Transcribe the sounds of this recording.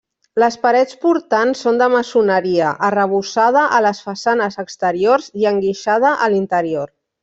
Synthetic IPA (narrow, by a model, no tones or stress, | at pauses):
ləspəɾɛt͡spuɾt̪ansːond̪əməsunəɾiəʔərəβ̞usað̞əʔələsfəsanəzəkst̪əɾioɾziəŋɡiʃað̞əʔəlint̪əɾioɾ